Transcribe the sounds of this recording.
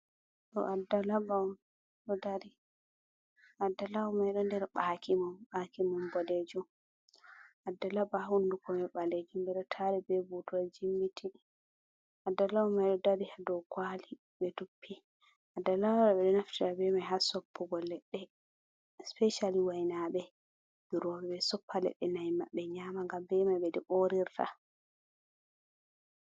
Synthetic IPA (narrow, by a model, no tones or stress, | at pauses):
tɔ̰ʔadalaba | ɗɔdaɾi | adːalawumajɗɔndɛɾɓakimamɓakimɔmbɔled͡ʒum | ʔadːalabaɦundukʰɔmɛɓaled͡ʒumbɛɗɔtʰaɾɛbɛbutuad͡ʒimːitʰi | ʔadːalamajɗɔdaɾihadɔkwaːli | bɛtupʰːi | ʔadːalawɾaɓɛɗɔnaftiɾabɛmajɦasɔpːɔɡɔlːɛɗːɛ | spɛʃaliwajnaɓɛ | biɾɔbɛɓɛsɔpʰːalɛ̰ɗːɛnajma̰ɓːɛɲaːmaŋɡambɛmajbɛdɛɓoɾiɾtʰa̰